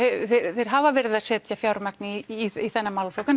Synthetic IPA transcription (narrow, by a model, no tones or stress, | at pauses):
θeɾθejɾ̥ɦavavɛːɾɪðasɛːt̪jafjaːwɾmaknɪːiθɛnːamawlflowkan